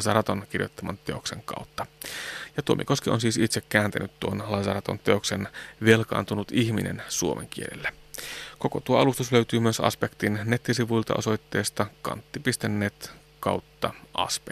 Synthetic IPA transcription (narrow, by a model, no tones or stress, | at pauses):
sɑɾɑt̪onk̟irjot̪ːɑmɑnt̪e̞o̞kse̞̰ŋkɑ̰ˑwt̪ːɑjɑt̪uomḭko̞skionsiːsit̪sekkːæːnt̪ænyt̪t̪ːuonlɑsɑɾɑt̪o̞̰nt̪eo̞ksenʋe̞lkɑ̰ːnt̪unut̪içminʔḛnsuomʔḛŋk̟ielḛlːeko̞kot̪uoɑlust̪usløyt̪yːmyøsɑ̰spekt̪inne̞t̪ːisiʋujlt̪ɑ̰ʔo̞̰so̞jt̪ːe̞ːst̪ɑkɑ̰nt̪ːipist̪enːeːt̪ | kɑ̰wt̪ːɑɑ̰spe